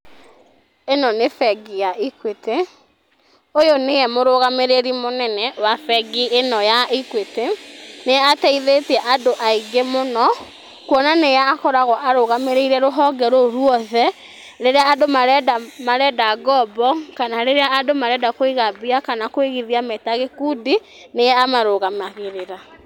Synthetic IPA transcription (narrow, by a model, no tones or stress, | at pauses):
enɔnefɛɡijaʔikwete | ojoneɛmoɾoɣameɾeɾimonɛnɛwafɛɡienɔjaikweteneatɛiðetɛʔadoʔaiɡemonɔ | kwɔnanejaːkɔɾaɣɔʔaɾoɣameɾeiɾɛɾoɦɔɡɛɾoɾwɔðɛ | ɾeɾeaːdomaɾɛdamaɾɛdaɡɔbɔkanaɾeɾeaːdomaɾɛdakoiɣabiakanakoeɣiðiametaɣekudi | nejɛamaɾoɣamaɣeɾeɾa